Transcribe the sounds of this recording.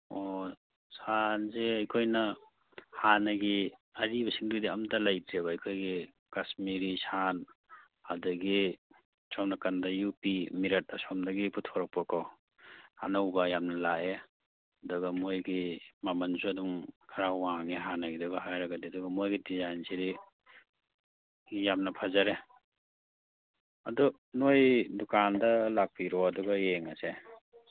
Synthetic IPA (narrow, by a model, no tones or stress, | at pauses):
ɔ | sanzeɐjkʰojnɐ | hanɐɡiɐɾibɐsiŋdudiamtalajdɾeβaajkʰojɡi | kasmiɾisan | adɐɡi | sʰɔmnakandɐjupimiɾɐt̚asɔmdaɡiputʰɔɾak̚pakʰɔ | a̰nawbajamnɐlaʔe | ɐdɔɡɐmojɡimamɐnzuaduŋkʰaɾawaŋiɦanaɡidɔɡaɦajɾaɡadiadɔɡɐmojɡidizajnsiɾi | jamnɐpʰazaɾe | ɐdɔ | nojdɔkandɐlak̚pʰiɾɔadɔɡɐjeŋase